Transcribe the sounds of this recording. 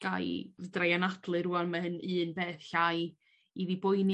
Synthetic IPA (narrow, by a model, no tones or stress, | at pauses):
ɡ̥a̰jvdrajanadlˠɨɾuɔnmahɨnɨːnbeːθɬaj | iðibʊjn